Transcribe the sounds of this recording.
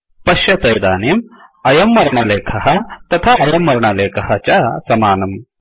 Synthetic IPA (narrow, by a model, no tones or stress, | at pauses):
pɐʃjɐt̪ɐjd̪aːnjɐmɐjɐmːɐɾɳɐleːkʰɐɦɐt̪ɐt̪ʰaʔɐjɐmʋɐɾɐɳɐleːkʰɐɦɐt͡ʃɐsɐmaːnɐm